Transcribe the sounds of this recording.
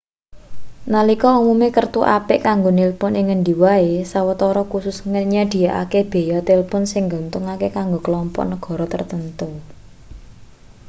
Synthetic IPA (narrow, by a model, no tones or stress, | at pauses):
nalikɔumumekərt̪uʔapɪʔkaŋɡonilpʊnɪŋənɖiwaesawət̪ɔɾɔkusʊsŋəɲad̪̥i̤jaʔa̰keb̥e̤jat̪ɪlpʊnsɪŋɡɔ̤nt̪ʊŋakekaŋɡokəlɔmpɔ̰ʔnəɡ̥ɔ̤ɾɔt̪ərt̪ənt̪u